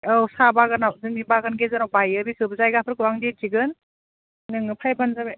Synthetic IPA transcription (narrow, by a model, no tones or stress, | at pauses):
awsabaɡɯnawzɯŋnibaɡɯnɡezɯnawbajɯbikʰɯbɯzajɡapʰɯɾkɯwaŋditʰiɡɯn | nɯŋnɯpʰajbanzabe